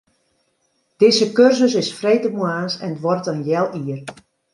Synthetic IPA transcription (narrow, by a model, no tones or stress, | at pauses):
d̥ɪsəkørsəs̬ɪsfreːtəmwaːnsɛ̰nətʋɔrtənjɛlˠiːər